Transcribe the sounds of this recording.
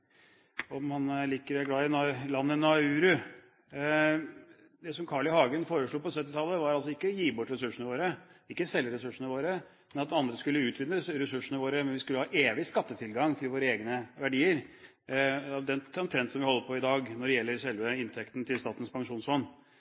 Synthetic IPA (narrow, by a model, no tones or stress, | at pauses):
ɔmmɑnliːkəɾɔæɡlɑːɪnlɑnːənʉːɾʉ | d̪ɛsɔmkʰɑːɭɪhɑːɡənfoːɾəʂɭuːpɔsœt̪ːɪt̪ʰɑlːəʋɑɾɑlsɔɪkːəjiːbɔʈːɾɛsʉʂənəʋoːɾəɪkːəsɛlːəɾɛsʉʂːənəʋoːɾə | mɛnɑt̪ɑnd̪ɾəskʉlːəʉːt̪ʰʋɪnːəɾɛsʉʂənəʋoːɾəmɛnʋɪskʉlːəhɑːʔeːʋɪskɑt̪ːət̪ʰɪlɡɑŋt̪ʰɪlʋoːɾəeːɡnəʋæɖiːəɾ | ɑd̪ɛnɔmt̪ʰɾɛnt̪sɔmʋɪhɔlːəpʰɔɪd̪ɑːɡnɔɖɛjɛlːəɾʂɛlʋəɪnt̪ʰɛkt̪nt̪ʰɪlst̪ɑːt̪n̩spʰɑŋʂuːnsfɔnː